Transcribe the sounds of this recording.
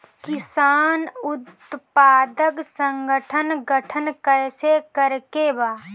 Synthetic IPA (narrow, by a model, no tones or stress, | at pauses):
kɪsaːnʊt̪ | paːd̪əksə̃ŋɡəʈʰənɡəʈʰənkəjsekəɾkebaː